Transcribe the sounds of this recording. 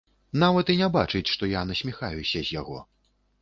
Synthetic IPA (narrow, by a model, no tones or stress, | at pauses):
n̪avɐt̪inʲaba̰t͡ʂɨt͡sʲʂt̪ɔjanɐsʲmʲixajusʲɐzʲjaɣɔ̰